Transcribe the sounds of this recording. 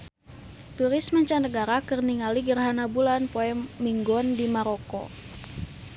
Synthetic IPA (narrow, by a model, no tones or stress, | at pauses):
t̪uɾɪsməɲt͡ʃanəɡaɾakərniŋaliɡərɦanabulanpoɛmːiŋɡɔndimaɾokɔ̰